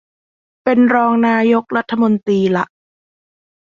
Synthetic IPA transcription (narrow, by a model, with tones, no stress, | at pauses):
pe˧nɾɔː˧ŋnaː˧jo˦˥k̚ɾa˦˥t̪ʰːa˧mo˧nt̪ɾiː˧la̰˨˩ʔ